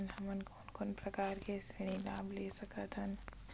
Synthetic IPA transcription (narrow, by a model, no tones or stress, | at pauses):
nhɐmənkoːnkʊnpɾɐkaːɾkesɪɽ̃ilaːbleːsɐkət̪ɦən